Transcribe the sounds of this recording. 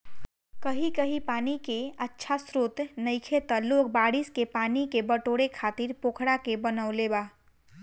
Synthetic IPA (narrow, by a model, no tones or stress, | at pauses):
kəɦikəɦipaːnikeətːʃʰasɾoːt̪nəɪkʰet̪əloːk̚baːɽiskepaːnikebəʈoɽekʰaːt̪iɾpoːkʰɽakebənəʊlebaː